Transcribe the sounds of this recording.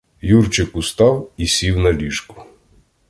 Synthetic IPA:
jurt͡ʃɪkʊst̪ɑwisʲiwnɐlʲiʃkʊ̥

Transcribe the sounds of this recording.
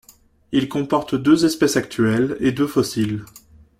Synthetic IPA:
ilkɔ̃pɔʁt̪d̪øzɛspɛsakt̪ɥɛled̪øfɔsil

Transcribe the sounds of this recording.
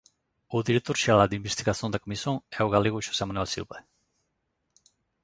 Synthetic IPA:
uðiɾet̪uɾʃialad̪imbest̪iɣasiond̪ekomisonewɣaleɣuʃo̥semanualsḭlpe

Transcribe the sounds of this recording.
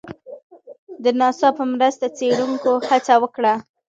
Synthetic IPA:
d̪ənɑsɑpəmɾəst̪at͡seɽuŋkohat͡sawəkɽa

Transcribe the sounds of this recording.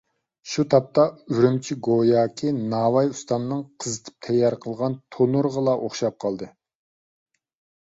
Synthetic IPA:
ʃut̪ʰɑp̚t̪ɑyɾymt͡ʃʰiɡojɑːkʲʰinɑːwɑjust̪ɑnɨnɨŋqʰəzɨt̪ʰɨ̥p̚t̪ʰɛjːɑɾqʰəlˠʁɑnt̪ʰonuɾʁəlˠɑʔoχʃɑp̚qʰɑlˠd̪ɨ

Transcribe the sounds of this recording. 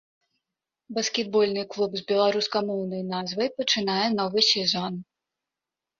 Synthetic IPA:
bɐskʲɛd̪̚bɔlʲnɨjklˠubzʲbʲɛlˠaɾuskɐmɔwnɐjnazvɐjpɐt͡ʂɨnajɛnɔvɨsʲɛzɔn

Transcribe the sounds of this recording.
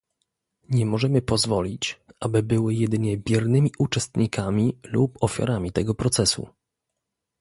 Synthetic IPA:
ɲɛmɔʐɛmɘpɔzvɔlʲit͡ɕʔabɘbɘwɘjɛd̪ɘɲɛbʲjɛɾnɘmʲiʔut͡ʂɛst̪ɲikamʲilupɔfʲja̰ɾamʲit̪ɛɡɔpɾɔt̪sɛsṵ

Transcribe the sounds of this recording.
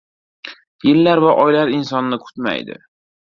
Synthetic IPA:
jɪlːaɾvaʔɒjlaɾɪnsɒnːɪkʰʊ̥t̪ma̰jd̪ɪ̰

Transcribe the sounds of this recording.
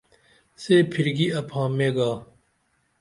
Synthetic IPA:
seːpʰiɾɡiɐphãːmeːɡaː

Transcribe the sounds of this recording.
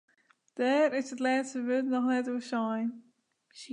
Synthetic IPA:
d̥ɛːɾɪsətlɛːtstəʋøtnɔxnɛtuəsɔjn

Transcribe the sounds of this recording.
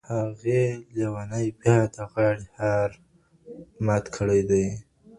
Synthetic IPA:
haɣelewanajbjɑd̪əɣɑɽhaɾ | mat̪kʰəɽajd̪aj

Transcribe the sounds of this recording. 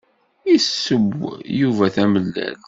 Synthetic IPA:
isːəɡʷjuvæθæməlːæ̰l

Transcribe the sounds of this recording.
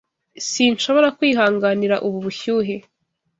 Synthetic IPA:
siːnʃo̞βo̞ɾakwiːɦaːŋɡaniɾaʔuβuβuçuːɦe

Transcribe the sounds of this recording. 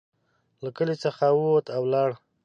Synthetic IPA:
lakəlet͡səxawwot̪awlɑɽ

